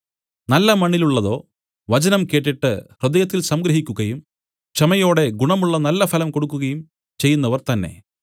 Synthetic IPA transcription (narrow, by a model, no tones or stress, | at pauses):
nɐlːɐmɐɳːiluɭːɐðo̞ː | ʋɐt͡ɕɐnɐmke̞ːʈːiʈːɨrɨd̪ɐjɐt̪ːilsɐmɡɾɐɦikʲːuɣɐjum | t͡ɕɐmɐjo̞ːɽe̞ɡuɳɐmuɭːɐnɐlːɐfʰɐlɐmko̞ɽukːuɣɐjum | t͡ɕe̞jːun̪ːɐʋɐrt̪ɐnːe̞̰